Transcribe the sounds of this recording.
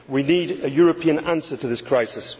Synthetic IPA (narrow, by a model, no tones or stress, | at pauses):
winiːdəjɔːɹəpʰĩə̃nãnsətʰəðɪskʰɹ̥aɪsɪs